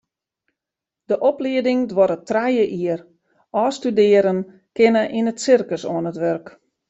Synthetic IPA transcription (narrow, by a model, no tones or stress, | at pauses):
dəʔɔpliədɪŋdʋɔɾətrajəʔiər | ɔːstydɪəɾən | kɪnəʔinətsɪrkəsoənətʋørk